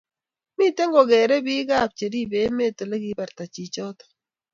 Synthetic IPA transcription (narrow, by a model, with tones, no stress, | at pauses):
mi˦te˦ŋɡɔ˨ɡɛ˨ɾɛ˦bi˦ɡa˦˨p̚t͡ʃe˨ɾi˦be˨˦me˦˨te˨le˦ɡi˦ba˨ɾta˨t͡ʃi˨t͡ʃɔ˦tɔ̥˨